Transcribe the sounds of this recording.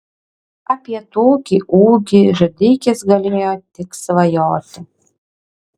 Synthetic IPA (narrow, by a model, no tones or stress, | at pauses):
ɐpʲiɛt̪oːkʲiʔuːɡʲiʒɔd̪ʲɪkʲesɡɐlʲeːjoːt̪ʲɪksʋɐjoːt̪ʲɪ